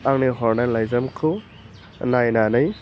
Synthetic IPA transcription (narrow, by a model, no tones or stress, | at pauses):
aŋniɦɔɾnanlajzɐmkʰu | najnanɯj